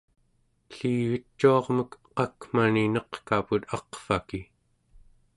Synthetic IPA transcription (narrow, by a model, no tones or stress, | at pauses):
ɬiːɣət͡ʃːuɑʁməkqɑkm̥aninʌqkaput̪ɑqfaki